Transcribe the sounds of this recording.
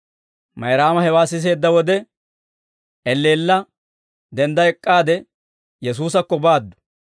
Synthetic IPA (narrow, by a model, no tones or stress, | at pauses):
mɐjɾaːmɐhɛwaːsːɪs̬e̞ːd̪ːɐwɔd̪ɛ | ɛlːeːlːɐ | d̪ɛnd̪ɐɛkʼːaːd̪ɛ | jɛs̬uːs̬ɐkːɔbaːd̪ːʊ̥